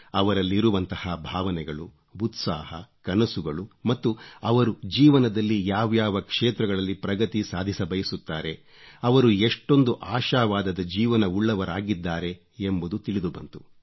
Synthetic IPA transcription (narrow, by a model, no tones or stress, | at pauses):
ɐʋɐɾɐlːiɾuʋɐnt̪ɐhabʱaːʋɐnɛɡɐɭu | ut̪saːɦɐ̰kɐnɐsuɡɐɭumɐt̪ːuɐʋɐɾud͡ʒiːʋɐnɐd̪ɐlːijaːʋjaːʋɐkʂeːt̪ɾɐɡɐɭɐlːipɾɐɡɐt̪isaːd̪ʱisɐbɐjisut̪ːaːɾe̞ | ɐʋɐɾueʂʈo̞nd̪uʔaːʃaːʋaːd̪ɐd̪ɐd͡ʒiːʋɐnɐuɭːɐʋɐɾaːɡid̪ːaːɾe̞ | embud̪ut̪iɭid̪ubɐ̰nt̪u̥